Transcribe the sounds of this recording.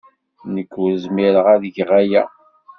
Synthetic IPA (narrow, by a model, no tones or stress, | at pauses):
nəkːɾzmiɾəʁæðəʝʁæjæ̰